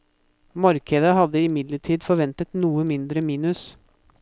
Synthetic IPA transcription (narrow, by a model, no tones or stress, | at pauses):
mɑɾkəd̪əɦɑd̪əɪmɪd̪ləʈʰiːd̪fɔɾʋɛnt̪ət̪nuːəmɪnd̪ɾəmiːnʉs